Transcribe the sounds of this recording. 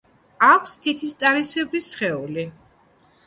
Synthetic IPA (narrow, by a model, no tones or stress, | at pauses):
akʷʰst̪ʰit̪ʰist̪ʼaɾisɛbisχɛuli